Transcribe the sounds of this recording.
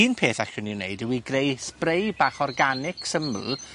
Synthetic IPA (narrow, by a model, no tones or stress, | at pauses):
iːnpʰeːθaɬʊniwneɨdəwiɡrejsprejb̥aːχɔrɡanɪksəml̩ˠ